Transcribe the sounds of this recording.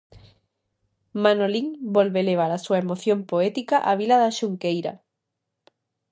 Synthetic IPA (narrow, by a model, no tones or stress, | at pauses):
manoliŋbolβeleβ̞aɾasuaemoθjompoɛt̪ikaʔaβ̞ilaðaʃuŋkejɾa̰